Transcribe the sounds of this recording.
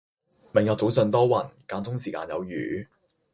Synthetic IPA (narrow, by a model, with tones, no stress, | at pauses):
mɪ˨˩ŋjɔː˧t͡so˨˥wsɵ˧nt̪ɔː˥wɐ˨˩nkaː˧nt͡sʊ˥ŋsiː˨˩ka̰ː˧njɐ˨˧wjyː˨˦